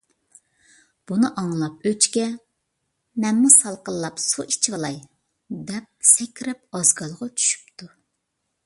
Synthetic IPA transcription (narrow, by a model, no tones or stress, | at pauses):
b̥unɨʔɑŋlˠɑp̚øt͡ʃkʲɛ | mɛnmusɑlˠqəlˠlˠɑpsuʔit͡ʃʰivɑlˠɑj | d̪ɛp̚sɛkʲɾɛp̚ɑzɡɑlˠʁɑt͡ʃʰy̥ʃy̥pt̪ʰu